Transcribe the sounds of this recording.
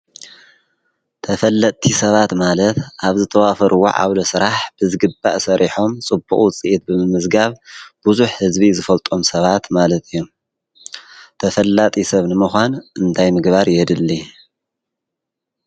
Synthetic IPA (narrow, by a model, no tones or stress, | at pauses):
t̪ʰɐfɐlːɐt̪ʼʰːisɐβat̪malɐt̪ʔaβzɨt̪ʰɐwafɐɾʔuwo̰ʕa̰βlosɨɾaħb̥ɨzɨɡɨbːa̰ʔsɐɾiħo̞mt͡sʼɨbṵχʼwt͡sʼiʔːt̪̚bɨmɨmɨzɡaβb̥uzuħhɨzbizɨfɐlt̪ʼo̞msɐβat̪malɐt̪ʰɨjːom | t̪ʰɐfɐlːat̪ʼisɐβnɨmɨxʷanʔɨnt̪ʰajmɨɡbaɾjɛd̪ɨlːi